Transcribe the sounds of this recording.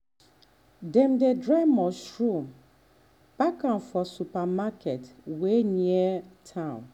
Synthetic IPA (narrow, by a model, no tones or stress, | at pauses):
dɛ̃mdedɹaɪmɔsɹũm | b̥akãnfɔsupamakɛtweniɛtʰãʊ̃n